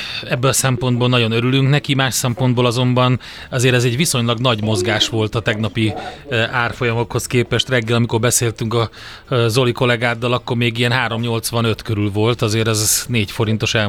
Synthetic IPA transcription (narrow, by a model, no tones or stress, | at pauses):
ɛbːɛɒsɛmpo̞nd̪bolnɒɟo̞nøɾylyŋknɛkimaːʃsɛmpo̞nd̪bolɒzo̞mbɒn | ɒzeːɾɛzɛɟʋiso̞ɲlɒɡnɒɟmo̞zɡaːʃʋo̞lt̪ɒt̪ɛɡnɒpi | aːrfo̞jɒmo̞kho̞skeːpɛʃt̪rɛɡːɛlɒmiko̞rbɛseːlt̪yŋkɒ | zo̞liko̞lɛɡaːd̪ːɒlɒkːo̞rmeːɡijɛnɦaːɾo̞mɲo̞lt̪sʋɒnø̞t̪køɾylvo̞lt̪ɒzeːɾɛzneːcfo̞ɾint̪o̞ʃɛ